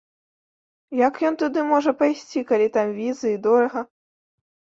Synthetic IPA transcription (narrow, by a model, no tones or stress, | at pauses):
jɐkjɔnt̪ud̪ɨmɔʐɐpajsʲt͡sʲikalʲit̪amvʲizɨid̪ɔɾɐɣɐ